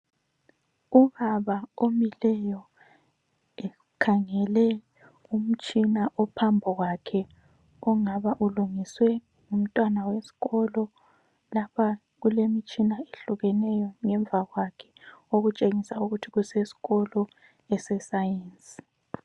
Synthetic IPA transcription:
uɣaβaomilɛjɔ | ɛ | kʰaŋɛlɛ | um̩t͡ʃʼinaʔɔpʰambʱɔɣwakʰɛ | ɔŋaβaʔuluŋiswɛ | um̩tʼwanawesi̥ɣɔlɔ | lapʰa | ɣulemit͡ʃʼinaeɬuɣɛnɛjɔŋɛɱbvʱaɣwakʰɛ̥oɣut͡ʃʼeŋisauɣutʰiɣusesi̥ɣɔlɔ | ɛsɛsajeːnt͡sʼi̥

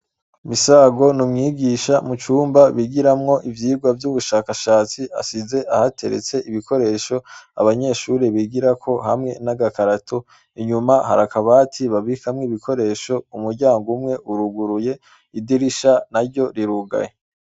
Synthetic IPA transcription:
misaːɡo̞numŋiːɡiʃamut͡ʃuːmbaβiɡiɾamŋo̞ʔivjiːɡwavjuβuʃaːkaʃaːt͡siʔa̰size̞ʔahatʰeɾḛt͡se̞ʔiβiko̞ɾe̞ːʃo̞a̰βaɲe̞ʃuːɾeβiɡiɾakʰo̞ɦamŋe̞naɡakaɾatʰo | iɲumaha̰ɾakaβaːtʰiβaβikʰamŋiβikʰo̞ɾe̞ːʃo̞umuɾɟaːŋɡumŋe̞ʔuɾuɡuɾuje̞ | idiɾiʃanaɾɟo̞ɾiɾuɡa̰je

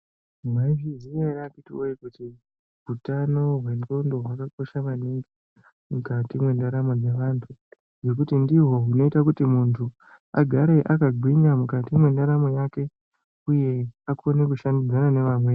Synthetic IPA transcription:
maʐizieɾakitioikuti | ɦutano̞ɦwe̞nto̞ndo̞ɦwakako̞ʃaʋaniŋɡi | mukatimwe̞ndaɾamod͡ze̞ʋantʰu | jo̞k̬utindiɦo̞ɦuno̞itak̬utimuntʰu | a̰ɡʱaɾe̞ʔakaɡʱwiŋamukatimwe̞ndaɾamojake̞ | uje̞akʰo̞nek̬uʃandid͡zanane̞ʋamweː

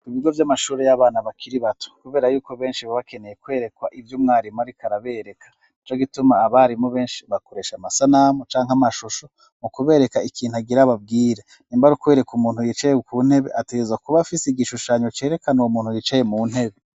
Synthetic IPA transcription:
iβiɡo̞vjamaʃuːɾe̞jaβaːnaβakʰiɾiβatʰo̥kuβe̞ːɾajuːko̞βe̞ːnʃiβaβakene̞jekwe̞ːɾe̞kwaʔivjomŋaːɾimaɾikʰaɾaβe̞ːɾe̞kʰḁ | it͡ʃoɡitumaːβaɾimoβe̞ːnʃiβakoɾe̞ːʃamasanamot͡ʃaːŋɦamaʃuʃo̞ | mukuβe̞ːɾe̞kaikʰiːnhuaɡiɾaβab̚ɡiːɾe | niːmbaɾukweɾe̞kumuːnhujit͡ʃajekuːn̥he̞βe̞̰ʔateɡezakuβafiseiɡiʃuʃaːɲot͡ʃe̞ːɾe̞kanoumuːn̥hujit͡ʃaje̞muːn̥he̞βe̞

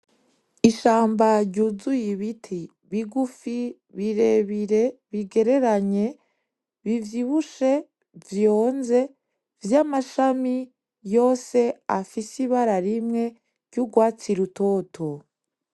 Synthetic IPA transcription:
iʃaːmbaɾɟuzujiβitʰi | βiɡufi | βiɾe̞βiɾe̞βiɡe̞ɾe̞ɾaɲe̞ | βivjiβuʃe̞ | vjo̞ːnze̞ | vjamaʃami | jo̞ːse̞afisiβaɾaɾimŋe̞ | ɾɟuɡwaːt͡siɾutoːtʰo

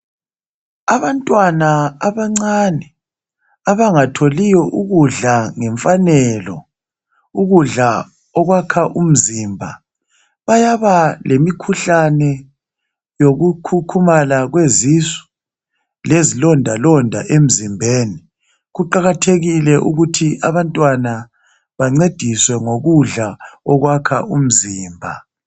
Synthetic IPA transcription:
aβantʼwanaaβaŋ͡ǀanɛ | aβaŋatʰolijɔʔuɣuɮaŋɛɱfanɛlɔ̰ | uɣuɮa | ɔɣwakʰaʔum̩zimbʱa | βajaβalʔemikʰuɬanɛ | joɣukʰukʰumalaɣwezisu̥ | lezilɔndʱalɔndʱaʔem̩zimbʱeːni | ɣuǃaɣatʰeɣilɛʔuɣutʰia̰βantʼwana | βaŋ͡ǀed̥ʱiswɛŋoɣuɮaɔɣwakʰa̰um̩ziːmbʱa̰

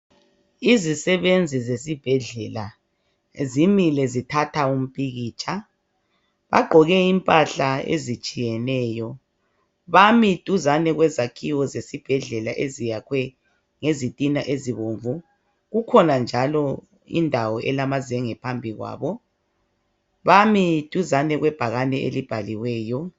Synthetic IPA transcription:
izisɛβend͡zʱizesib̥ʱɛɮɛla | zimilɛzitʰatʰaum̩pʼiɣiːt͡ʃʼa | βa̰ɡ͡ǃʱɔɣɛimpʼaɬaḛzit͡ʃʼijɛnɛːjɔ | βamid̥ʱʼuzanɛɣwɛzakʰiwɔzesib̥ʱɛɮɛlaʔezijakʰwɛ | ŋezitʼinaʔeziβoɱvu | ɣukʰɔnand͡ʒʱalɔ | ḭndʱawɔʔɛlamazɛŋɛpʰambʱiɣwa̰ːβɔ | βamid̥ʱuzanɛɣwɛb̥ʱaɣanɛḛlib̥ʱaliwɛːjɔ

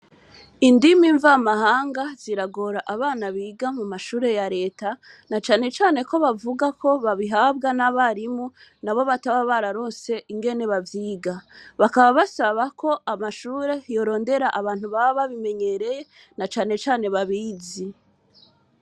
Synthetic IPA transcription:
indimiɱvamahaːŋɡaz̥iɾaɡoɾaʔaβaːnaβiːɡamumaʃuːɾe̞jaɾe̞ːta | nat͡ʃaːne̞t͡ʃaːne̞ko̞βavuɡakʰo̞βaβiɦaːbɡanaβaɾimu | naβo̞βataβaβaɾaɾo̞ːnse̞ʔiŋɡe̞ne̞βavjiːɡaβakaβaβasaβakʰo̞ʔamaʃuːɾe̞jo̞ɾo̞ːnde̞ɾaʔaβaːnhuβaβaβime̞ɲe̞ɾe̞je̞ | nat͡ʃaːne̞t͡ʃaːne̞βaβiːzi

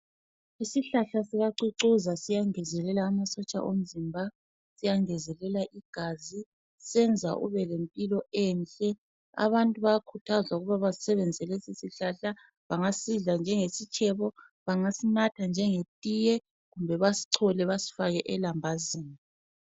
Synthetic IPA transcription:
isiɬaɬasiɣaǀuǀuzasijaŋɛzɛlɛlaːmasɔt͡ʃʼa̰ʔom̩zimbʱa | sijaŋɛzɛlɛlaʔiɡ̥ʱazi | sɛnd͡zʱa̰ʔṵβɛlempʼilɔɛnt͡ɬɛ | a̰βantʼuβajakʰutʰazwauɣuβaβazi̥sɛβɛnd͡zʱɛlɛsisiɬaɬa | βaŋasiɮand͡ʒʱɛŋesit͡ʃʰʼɛβɔ | βaŋasinatʰand͡ʒʱɛŋetʼijɛ | ɣumbʱɛβasi̥ǀʰɔlɛβasi̥faɣɛʔɛlambʱaziːni

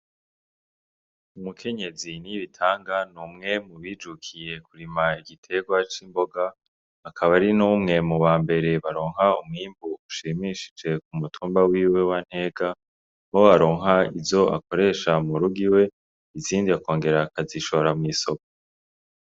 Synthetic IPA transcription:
umukʰe̞ɲe̞ziniβitʰaːŋɡanuːmŋe̞muβiːd͡ʒukʰije̞kuɾimaiɡitʰe̞ɡwat͡ʃimbo̞ɡaː | kʰaβaɾinuːmŋe̞muβaːmbe̞ɾe̞βaɾo̞ːŋ̥ɦaumŋiːmbuuʃiːmiʃi̥d͡ʒe̞k̚umutʰuːmbawiːwe̞wan̥he̞ːɡa | βoaɾo̞ːŋɦaizo̞ʔa̰ko̞ɾe̞ːʃamuɾuɡiwe̞ | iziːndiako̞ːŋɡe̞ɾakaziʃo̞ɾamŋiːso̞ko̥

